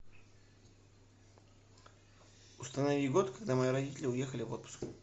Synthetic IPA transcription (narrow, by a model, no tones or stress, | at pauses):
ʊst̪ənɐvʲiɡo̞t̪kɐɡd̪amɐiɾɐdʲitʲɪlʲɪʊje̞xəlʲɪvo̞t̪̚pʊ̥sk